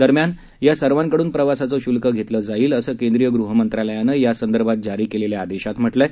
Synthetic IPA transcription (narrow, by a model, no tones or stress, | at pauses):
d̪əɾmjan | jasəɾʋãŋkəɽuːnpɾəʋasat͡səɕulkəɡʱet̪ləːd͡zaiːləsəːkẽnd̪ɾijəɡɾuɦəmənt̪ɾaləjanəjasənd̪əɾbʱat̪̚d͡ʑaɾiːkeleljaːd̪eɕat̪m̤əʈlɛ